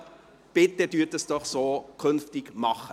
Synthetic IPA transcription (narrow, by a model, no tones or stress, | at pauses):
b̥ɪtədyːtəsd̥ɔχsoːkʰønftɪkmɑχə